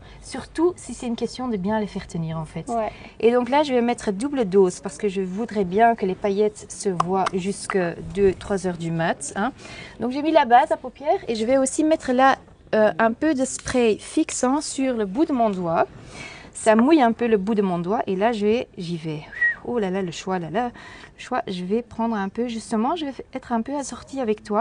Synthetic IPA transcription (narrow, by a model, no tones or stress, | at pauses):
syʁt̪usisɛt̪ynkʲɛst̪jɔ̃d̪əbjɛ̃ləfɛʁt̪əniːʁɑ̃fɛt̪ | ed̪ɔ̃klaʒəvɛmɛt̪χəd̪ubləd̪oːzpaʁsə̥kəʒəvud̪ʁɛbjɛ̃kəlepajɛt̪səvwaʒyskəd̪øt̪χwazœʁd̪ymat̪ɛ̃d̪ɔ̃kʒemilabazapopjɛːʁeʒəvɛosimɛt̪χəla | øʔɛ̃pød̪əspχɛjfiksɑ̃syʁləbud̪əmɔ̃d̪wa | samujɛ̃pøləbud̪əmɔ̃d̪waʔelaʒəvɛʒivɛolalaləʃwalalaləʃwaʒəvɛpχɑ̃d̪ʁɛ̃pøʒyst̪əmɑ̃ʒəvɛɛt̪χɛ̃pøasɔʁt̪iavɛkt̪wa